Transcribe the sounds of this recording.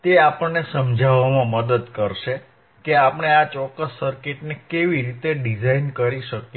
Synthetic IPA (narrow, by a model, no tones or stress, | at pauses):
t̪eapəɳːesəmd͡ʒʱaʋamãməd̪əd̪kəɾʃe | keapəɳeat͡ʃɔkːəsːəɾkeʈnekeʋiɾit̪eɖid͡ʒainkəɾiʃəkje